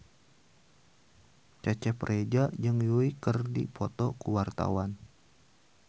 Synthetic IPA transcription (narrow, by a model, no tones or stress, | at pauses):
t͡ʃat͡ʃɛprʔed͡ʒad͡ʒɨŋjuikərdḭpʰɔt̪ɔkuwart̪a̰wan